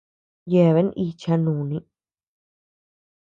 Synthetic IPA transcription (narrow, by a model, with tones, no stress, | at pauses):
je˧˨βe˧˦n˦ʔi˧t͡ʃa˧nũː˨nĩ˧